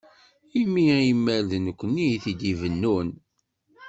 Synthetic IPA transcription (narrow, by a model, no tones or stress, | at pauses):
imijimːælðnəkʷːənːiθid̪ivənːun